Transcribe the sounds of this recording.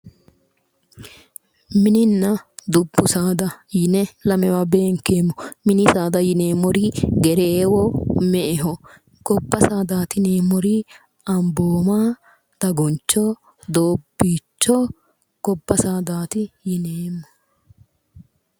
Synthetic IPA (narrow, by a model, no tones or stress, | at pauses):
mɪnɪnːɐd̪ʊbːʊsaːd̪ɐjɪnɛlɐmɛwabe̞ːŋkeːmːɔmɪnɪsaːd̪ɐjɪneːmɔɾɪɡɛɾeːwɔmɛʔɛɦɔ | kɔbːɐsaːd̪aːt̪ɪneːmːɔɾɪ | ɐmboːmaː | d̪̥ɐɡɔnt͡ʃːɔ | d̪oːbːiːt͡ʃːɔ | kɔbːɐsaːd̪aːt̪ɪjɪneːmːɔ̥